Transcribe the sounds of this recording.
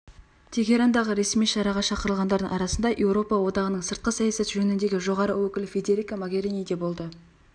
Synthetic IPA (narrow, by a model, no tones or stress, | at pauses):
t̪ʰe̞ɡʲe̞ɾand̪ɑʁəɾe̞smijʃɑɾɑʁɑʃɑqəɾəlˠʁɑnd̪ɑɾd̪əŋɑɾɑsənd̪ɑjʔe̞wɾo̞pɑwo̞d̪ɑʁənəɴsəɾt̪̚qəsɑjɑsɑt̪ʒɵnɪnd̪e̞ɡʲɪʒo̞ʁɑɾəwɵkʲɪlɪfʲe̞d̪e̞ɾʲikamoɡʲe̞ɾinijd̪e̞bo̞lˠd̪ə